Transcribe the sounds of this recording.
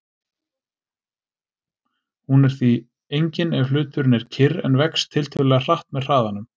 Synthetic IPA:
hunɛɾ̥θi | ejɲcɪnɛvflʏːt̪ʏɾʏnɛɾ̥cʰɪɾɛnvɛkst̪ʰːɪlt̪ʰʏlɛɣar̥aht̪mɛðr̥aːðanʏm

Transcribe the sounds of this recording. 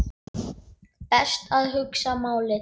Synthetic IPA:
pɛst̪aðɦʏksamaːwlɪ

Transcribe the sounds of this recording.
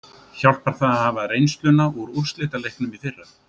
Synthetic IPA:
çawl̥̚paɾ̥θaðhavarejnst̪lʏnauɾur̥st̪lɪːt̪alejhknʏmiðθɪrːa

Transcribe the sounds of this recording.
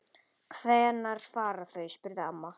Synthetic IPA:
kʰvɛːnaɾ̥faːɾaθœɥspʏɾðɪamːa

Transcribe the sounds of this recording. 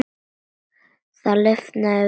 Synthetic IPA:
θalœft̪na

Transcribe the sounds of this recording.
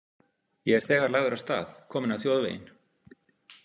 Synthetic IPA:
jɛɛɾ̥θɛːɣaɾlaːɣðʏɾawst̪a̰ːθkʰɔːmɪnawθjowðvḛjɪ̰n

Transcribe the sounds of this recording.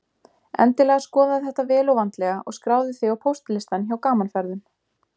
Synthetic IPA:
ɛ̰nt̪ɪlɛːɣaskɔːðaðɪθɛht̪avɛːlowvant̪lɛɣaʔɔ̰ɣskɾaːwðɪθɪjawpʰowst̪lɪst̪ançawkaːmanlfɛɾðʏn

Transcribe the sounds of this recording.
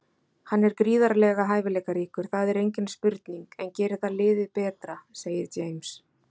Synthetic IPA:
hanːɛɾkɾiːðaɾlɛɣaɦaːjvɪlɛːkaɾiːkʏɾ̥θaðɛɾejɲcɪnspʏɾt̪niŋkɛncɛːɾɪ̥θalɪːðɪðpɛːt̪ɾaseːjɪɾt͡ʃeːjms

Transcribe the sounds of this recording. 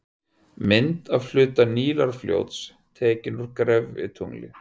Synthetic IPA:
mɪnt̪aðfl̥ʏːt̪aniːlaɾ̥fljo̰wt̪s | t̪ʰɛːcɪnʏɾkɾɛvɪ̰t̪ʰuŋlɪ̰

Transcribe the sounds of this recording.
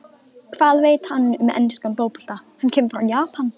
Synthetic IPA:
kʰv̥aːðveːjt̪hanːʏmɛ̰nːɪskamploːwpu̥l̥t̪ahancʰɛːmfɾawjaːpan

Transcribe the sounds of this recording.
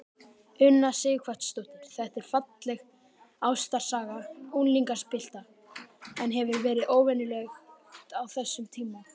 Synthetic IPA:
ʏnːasɪːjɪkʰvœht̪st̪owt̪nʏɾ̥θɛht̪ɛɾ̥fat̪lɛɣ | awst̪aɾ̥saːɣaunliŋkḁspɪl̥t̪a | ɛnɦɛvʏɾvɛːɾɪðoːwvɛnʏlɛɣt̪awθɛsːʏmt̪ʰiːma

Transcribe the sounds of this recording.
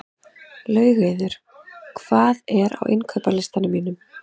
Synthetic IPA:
lœːɥɣeðʏɾ̥ | kʰv̥aːðɛɾa̰wʔɪ̰nkʰœɥpalɪst̪anʏmiːnʏm

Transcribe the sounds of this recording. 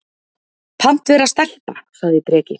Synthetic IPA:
pʰam̥t̪vɛɾast̪ɛl̥pa̰saɣðɪt̪ɾɛːcɪ

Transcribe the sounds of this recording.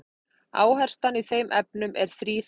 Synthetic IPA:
aːwɦɛr̥st̪aniθejmʔɛp̚nʏmʔɛɾ̥θɾiːθ

